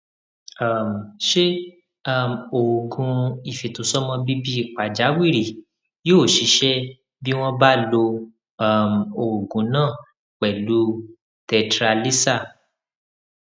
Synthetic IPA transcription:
a˦˨m˨ʃe˦ | a˦˨mo˨o˨ɡũ˨˧i˨fi˨to˨˦sɔ˦mɔ̃˧bi˦bi˦i˦˨k͡pa˨d͡ʒa˨˦wi˦˨ɾi˨ | joː˦˨ʃi˨˦ʃɛ˦ | bi˦w̃ɔ̃˦ba˦lo˧ | a˦˨m̩˨o˨o˨ɡũ˨˦nãː˦˨ | k͡pɛ˨lu˨˦ | tɛ˧tɾa˧li˦sa˦˨

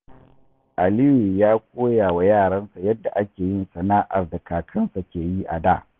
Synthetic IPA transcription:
ʔa˨lɪ˦wi˨jaː˦kʷoː˦jaː˨wa˨jaː˦˨ɽɐ˦nsa˨jɐ˦dːa˨ʔa˦kʲeː˨jɪ˦nsɐ˨naː˦ʔa̰˨rda˨kaː˨kʰɐ˦nsa˨kʲeː˨ji˦ʔa̰˨daː˦˨

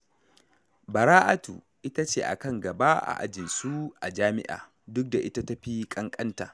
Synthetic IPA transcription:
bɐ˨ɾaː˦ʔa˦tṵː˨ | ʔɪ˦ta˦t͡ʃeː˦˨ʔa̰˨kɐ˦˨ŋɡɐ˨ba˦ʔa̰˨ʔa̰˦d͡ʒɪ˨nsu˦ʔa˨d͡ʒaː˦mɪ˦ʔa̰ː˨ | dʊ˦k̚da˨ʔɪ˦ta˦tɐ˦ɸiː˦kʼɐ˦ŋkʼɐ˦ntaː˨

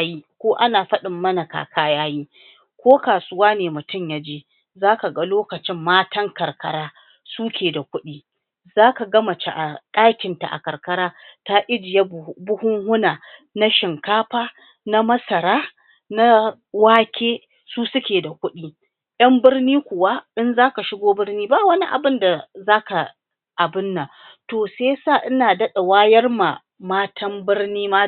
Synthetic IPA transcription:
a˦ji˦kʷoː˦ʔa˦naː˨ɸɐ˦ɗɪ˨mːɐ˦na˨ka̰ː˨kʰaː˦jaː˦jiː˦ | kʷoː˦kaː˨sʊ˦waː˦neː˨mʊ˨tʊ˦˨mja˦d͡ʒeː˦ | zaː˦ka˨ɡa˦loː˦kɐ˨t͡ʃɪ˦mːaː˦tɐ˦ŋkɐ˨rkɐ˦ɾaː˦ | suː˦kʲeː˨da˨kʷʊ˦ɗiː˦ | zaː˦ka˨ɡɐ˦mɐ˨t͡ʃa˨ʔa˨kʼaː˦kʲɪ˨nta̰˨ʔa̰˨kɐ˨ɾkɐ˦ɾaː˦ta˦ʔɪ˦d͡ʒɪ˨ja˦bʊ˦hʊ˦ŋhʊ˦naː˨ | na˦ʃɪ˨ŋkaː˦ɸaː˦ | na˦mɐ˦sɐ˨ɾaː˦ | na˦ | waː˦kʲeː˦ | suː˦sʊ˦kʲeː˨da˨kʷʊ˦ɗiː˦ | jɐ˦mbɪ˦rniː˦kʷʊ˨wa˦ʔɪ˦nzaː˦ka˨ʃɪ˦ɡʷoː˦bɪ˦rniː˦ba˦˨wɐ˦ni˦ʔa̰˨bɪ˦nda˨zaː˦ka˨ | ʔa˨bɪ˦nːa˨ | toː˨seː˦sa˦˨ʔɪ˦naː˨dɐ˦ɗa˨waː˦jɐ˦rma˨ | maː˦tʰɐ˦mbɪ˦ɽniː˦ma˦

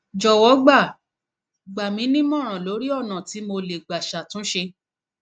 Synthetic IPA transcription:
d͡ʒɔ˨wɔ˨˦ɡ͡ba˦˨ | ɡ͡ba˨mĩ˨˧˦nĩ˦mɔ̃˦˨ɾ̃ã˨lo˨˦ɾi˦ɔ˦˨nã˨ti˨˦mo˧le˨ɡ͡ba˨ʃa˨tũ˨˦ʃe˧

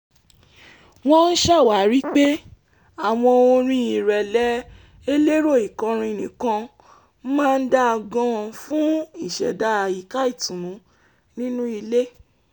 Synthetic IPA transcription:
w̃ɔ̃˦n̩˦ʃa˦˨wa˨˦ɾi˦k͡pe˦ | a˨w̃ɔ̃˧o˧ɾ̃ĩ˧i˨ɾɛ˨lɛ˦ | e˦le˦ɾo˦˨i˨kã˧ɾ̃ĩ˧˨nĩ˨kã˧ | mãː˦˧n̩˦da˦a˧ɡã˧fũ˦i˦˨ʃɛ̰˨da˨˦˨ji˨ka˦i˦˨tũ˨nũ˨˦ | nĩ˦nũ˦i˧le˦

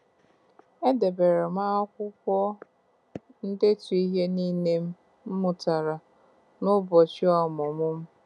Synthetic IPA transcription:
e˦de˨be˨ɾe˨ma˦ɔ˦kʷʊ˦kʷɔ˦ | n̩˦de˦tu˨i˦ɦe˦niː˦ne˦m̩˦ | m̩˦mʊ˨ta˨ɾa˨ | nʊ˦bɔ˨t͡ʃɪ˦ɔ˨mʊ˨mʊ˦m̩˦

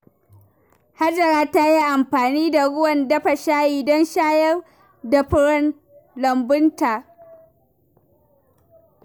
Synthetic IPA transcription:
ha˦d͡ʒɐ˨ɾaː˦ta˦ji˦ʔa˨mɸaː˨niː˦da˨ɽʊ˦wɐ˨ndɐ˦ɸa˨ʃaː˦jiː˨dɔ˦nʃaː˦jɐ˦r | da˨ɸʊ˦ɽɐ˦n | lɐ˨mbʊ˦ntaː˨ʔ

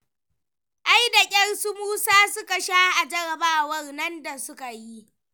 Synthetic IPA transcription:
ʔa˦jda˨kʲʼɐ˦rsu˦muː˦saː˦sʊ˦ka˨ʃaː˦ʔa˨d͡ʒɐ˦ɽɐ˨baː˦wɐ˦rnɐ˦nda˨sʊ˦ka˨ji˦ʔ

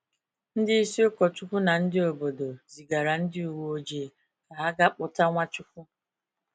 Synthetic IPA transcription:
n̩˦dɪ˦i˦si˦ʊ˦kɔ˨t͡ʃʊ˦kʷu˦na˨n̩˦dɪ˦o˨bo˨do˨zi˨ɡa˨ɾa˨n̩˦dɪ˦u˨wo˦d͡ʒe˨ | ka˨a˦ɡa˦k͡pʊ˦ta˦ŋʷa˦t͡ʃʊ˦kʷu˦

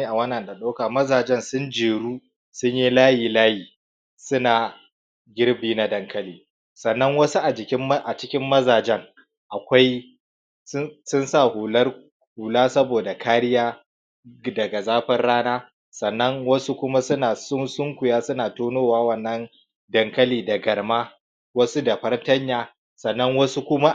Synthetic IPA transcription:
i˦ʔa˨wɐ˦nɐ˨nda˨ɗa˦kaː˨mɐ˦zaː˨d͡ʒɛ˦nsʊ˦nd͡ʒeː˨ɽuː˦ | sʊ˦ɲji˦laː˦jiː˨laː˦jiː˨ | sʊ˦naː˨ | ɡʲɪ˦rbiː˦na˨dɐ˦ŋkɐ˦liː˨ | sɐ˨nːɐ˦ŋwɐ˦su˦ʔa˨d͡ʒɪ˨kʲɪ˦m˦ʔa˨t͡ʃɪ˦kʲɪ˦mːɐ˦zaː˨d͡ʒɛ˦ŋ | ʔa˨kʷa˦j | sʊ˦nsaː˦˨hu˨lɐ˦r | huː˨laː˦sɐ˦boː˨da˨kʰaː˦ɾɪ˦jaː˦ | dɐ˨ɡa˨zaː˦ɸɐ˦rɽaː˦naː˦ | sɐ˨nːɐ˦ŋwɐ˦su˦kʷʊ˦ma˦sʊ˦naː˨sʊ˦sʊ˦ŋkʷʊ˨jaː˦sʊ˦naː˨toː˦noː˦waː˦wɐ˨nːɐ˦n | dɐ˨ŋkɐ˦liː˨dɐ˨ɡɐ˨rmaː˦ | wɐ˦su˦da˨ɸɐ˦rtɐ˦ɲjaː˨ | sɐ˨nːɐ˦ŋwɐ˦su˦kʷʊ˦ma˦

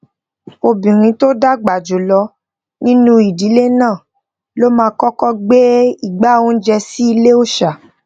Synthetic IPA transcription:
o˧bĩ˨ɾ̃ĩ˧to˦da˦ɡ͡ba˨d͡ʒo˨lɔ˧ | nĩ˦nũ˦i˨di˨˦le˦nãː˦˨ | lo˦mãː˧kɔ˦kɔ˦ɡ͡be˦i˦˨ɡ͡ba˨˦˨wo˦n̩˦d͡ʒɛ˧si˦i˧le˦o˦ʃa˨

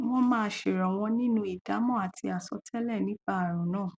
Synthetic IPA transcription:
w̃ɔ̃˦mãː˦˧ʃe˨ɾɔ˨w̃ɔ̃˧nĩ˦nũ˦i˦˨da˨˦mɔ̃˦˨a˨ti˧a˨sɔ˨˧˦tʰɛ˦lɛ˦˨nĩ˨˦ɡ͡ba˦a˨ɾ̃ɔ̃˨˦nãː˦˨

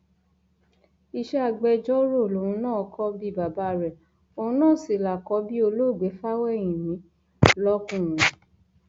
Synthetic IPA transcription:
i˧ʃɛ˦a˧ɡ͡bɛ˧d͡ʒɔ˦ɾo˦˨lo˨ũ˧˦nãː˦˨ɔ˧˦kʰɔ˦bi˦˨ba˨ba˦ɾɛ˨ | o˧ũ˧˦nãː˦˨si˨la˨kɔ˧˦bi˦o˧lo˦˨ɡ͡be˨˦fa˦wɛ˦˨j̃ĩ˨nĩ˨˦ | lɔ˦kũ˦˨ɾ̃ũ˨˦

